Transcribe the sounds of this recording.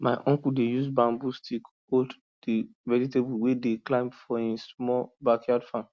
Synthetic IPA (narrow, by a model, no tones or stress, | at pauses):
maɪʔɔ̃ŋkudejusbãmbustʰik | old | d̥iɹɛditebuwedeklãɪ̃mfɔɛ̃nsmɔbakʰjadfãn